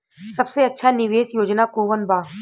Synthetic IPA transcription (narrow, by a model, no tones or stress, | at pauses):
sɐbseɐtːʃʰanɪʋeːsjoːd͡ʒnakoːʋənbaː